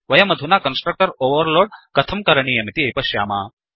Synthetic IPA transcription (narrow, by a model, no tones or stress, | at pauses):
ʋɐjɐmɐd̪ʱunakɐnsʈɾək̚ʈəɾoʋəɾloːɽkɐt̪ʰɐmkɐɾɐɳijɐmit̪iejpɐɕja̰ːmaː